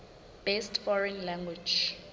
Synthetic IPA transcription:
b̥estfɔɹɛnlãŋɡwi̥d͡ʒ

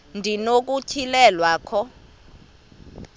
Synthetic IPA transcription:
ndʱinok̬ucʰilɛlwaːkʰɔ

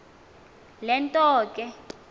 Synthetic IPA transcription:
lɛntʼɔːkʼɛ

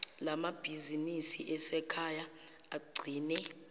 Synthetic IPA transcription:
lamab̥ʱizinisiʔɛsɛkʰaja | aɡ͡ǀʱiːnɛ

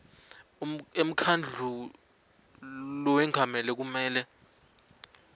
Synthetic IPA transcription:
em̩kʰand͡ɮʱu | lɔwɛŋʱamɛlɛk̬umɛːlɛ

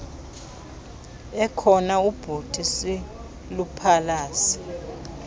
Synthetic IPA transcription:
ɛkʰɔnaub̥ʱutʰisi | lupʰalaːsi̥

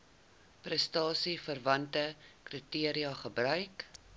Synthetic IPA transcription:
prəstɑːsifərvɐntəkritiəɾiɑχəbrœɥk

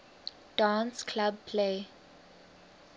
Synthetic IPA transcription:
ɖ̥ãːnskʰlab̚pʰleː

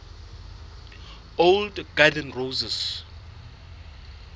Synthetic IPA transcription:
owldɡadɛnrowzɛs

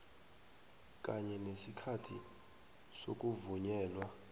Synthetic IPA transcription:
k̬ʼaɲɛnesikʰatʰḭ | sok̬ʼuvuɲɛːlwa

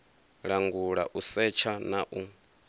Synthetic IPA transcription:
ɺaŋɡuɺaʔusɛt͡ʃʰanaʔu

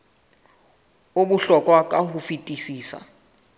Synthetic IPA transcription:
oɓuɬɔkʼwakʼahufitʼisiːsa̰

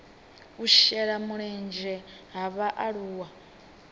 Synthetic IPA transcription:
uʃɛɺamuɺɛnd͡ʒɛ | ɦaβaʔaɺuːwa

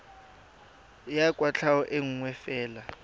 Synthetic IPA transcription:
jakʼwat͡ɬʰawɔʔeŋ̩ŋwɛfɛːla

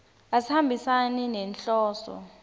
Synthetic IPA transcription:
asihambʱisaninɛnɬɔːsɔ̰

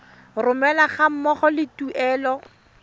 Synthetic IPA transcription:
rʊmɛlaχam̩mɔχɔlɪtuʔɛːlɔ

